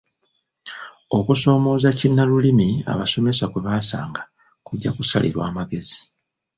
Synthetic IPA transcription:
o̞kuso̞ːmo̞ːzacinːalulimia̰βaso̞me̞sakweβaːsa̰ːŋɡa | kuɟːakusalʔḭɾwa̰ːmaɡe̞zi̥

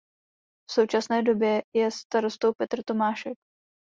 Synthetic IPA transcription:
fso̞wt͡ʃasnɛːdo̞bjɛjɛst̪aɾo̞st̪owpɛt̪r̩t̪o̞maːʃɛk̚

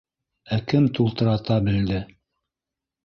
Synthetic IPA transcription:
ækɘmt̪ulˠt̪ɤ̆ɾɑt̪ɑbɘ̆ld̪ɘ

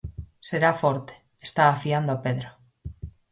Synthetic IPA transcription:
seɾafoɾt̪e̥ | est̪aːfiand̪oapeðɾa

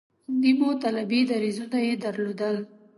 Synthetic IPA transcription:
nimot̪alabid̪aɾizunajed̪aɾlod̪əl

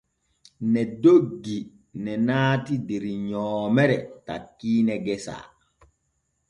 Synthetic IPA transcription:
nɛdoɡːi | nɛnaːtideɾiɲɔːmɛɾɛta̰kːiːnɛɡɛsa̰ː

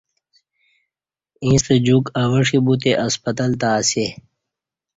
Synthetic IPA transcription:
ĩːst̪əd͡ʑukɐwɐʂibut̪̬eʔɐspɐt̪ɐlt̪̬aːse

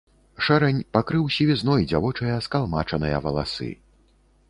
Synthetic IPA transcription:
ʂɛɾɛnʲpakɾɨwsʲivʲiznɔjd͡zʲavɔt͡ʂɐjɐskalˠmat͡ʂɐnɨjɐvɐlˠa̰sɨ̰

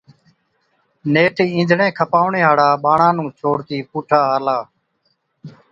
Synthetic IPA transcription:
neːʈʰiːĩːnd͡ʒʱɳẽːkʰəpaːʋɳeːɦaːɽaːɓaːɳãːnũːt͡ʃʰoːɽt̪iːpuːʈʰaːaːlaː

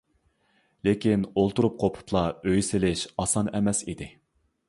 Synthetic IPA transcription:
lekʲinolˠt̪uɾup̚qʰopʰʊ̥t̪ʰlˠɑøjsɪlɪʃɑsɑnɛmɛsid̪ɪ

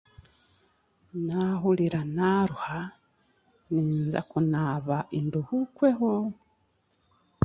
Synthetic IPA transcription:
naɦuliɾanaɾuha | niːnza̰kunaβaʔinduhukweɦo

